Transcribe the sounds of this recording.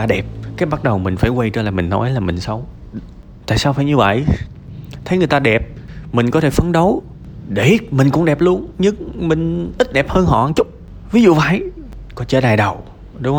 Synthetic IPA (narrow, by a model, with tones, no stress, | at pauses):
aː˧ɗɛ˨˩p̚kaː˨˦jɓa˦˥t̚ɗə˨˩wmï˨˩ŋ̟faː˧˩jkwə˧jt͡ɕəː˧laː˨˩mï˨˩ŋ̟nɔ̰˨˦jlaː˨˩mï˨˩ŋ̟sə˨˦wŋ͡m | t̪a̰ː˧˨jsaː˧wfaː˧˩jɲɨ˧və̰˧˨jʔ | t̪ʰə˨˦jŋɨ˨˩əjt̪aː˧ɗɛ˨˩p̚mï˨˩ŋ̟kɔ˨˦t̪ʰe˧˩fə˧˦nɗə˨˦w | ɗe˧˩mï˨˩ŋ̟kʊ̰˧˥ŋ͡mɗɛ˨˩p̚lu˧ənɲɨ˧ŋmï˨˩ŋ̟ʔi˦˥t̚ɗɛ˨˩p̚həː˧nhɔ̰˧˨ʔa˨nt͡ɕʊ˦˥k͡p̚ | vi˨˦zṵ˧˨vaː˧˨˩jkɔ˨˦nt͡ɕə̰ː˧˩ɗaː˨˩jɗə˨˩w | ɗʊ˨˦ŋ͡mh